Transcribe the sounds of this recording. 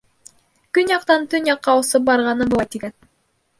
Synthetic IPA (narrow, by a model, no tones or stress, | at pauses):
kynjɑq̚t̪ɑnt̪ynjɑqːɑusɯp̚bɑɾʁɑnɯbulˠɑjt̪iɡæt̪